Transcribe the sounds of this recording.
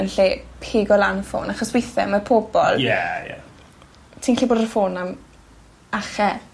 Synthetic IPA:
ənɬeːpʰeːɡɔlˠanəfo̰ːnaχɔswɪjθɛmapʰɔːbɔ̰lˠjɛjɛ̰ | tʰɪŋɬiboːdəfoːnam | aχɛ

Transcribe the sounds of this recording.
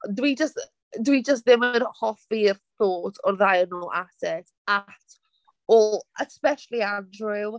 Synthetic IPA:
dwid͡ʒəst | dwid͡ʒəs̬tðɪmənhɔfirθoːtʰɔrðajənoːlʔasɛtʰatʰ | ɔəspɛʃəlˠiadrɪw

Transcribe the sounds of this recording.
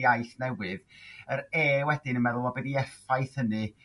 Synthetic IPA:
ajθnɛwɨðəɾeːwɛdɪnənmɛðʊlˠɔbɛdiɛfajθənɨ

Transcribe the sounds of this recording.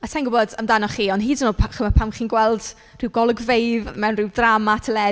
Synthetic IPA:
atʰajnŋɡʊbɔdəmdanɔχiːɔnɦiːdənoːlˠpʰχəmapʰamχiːnɡwɛlˠd̥ | r̥ɪwɡɔlˠəɡvejvmɛwnrɪwdramatʰəlɛ

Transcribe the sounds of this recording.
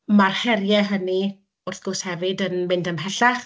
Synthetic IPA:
marhɛrjɛɦəni | ʊrθɡ̥ʊshɛvɨdənmɪndəmɦɛɬaχ

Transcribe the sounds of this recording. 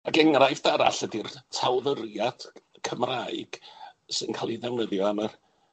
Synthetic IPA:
aɡɛŋrajvdaɾa̰ɬədirtʰawðərjad̥ | kʰəmraɨɡ̥sɨnkʰalˠiðɛwnəðjɔanər

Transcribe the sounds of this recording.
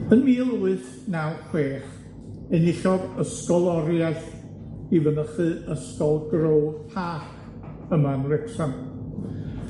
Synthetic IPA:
ənmiːlˠuɨθ | nawχweːχ | ɨnɪɬɔɡəskɔlˠɔɾjaθ | ivənəχɨəskɔlˠɡrowðpʰaːχ | əmanrɪksam

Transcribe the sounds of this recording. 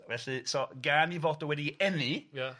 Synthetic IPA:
vɛɬɨsɔɡaːnivoːdɔwɛdiɛnɨja

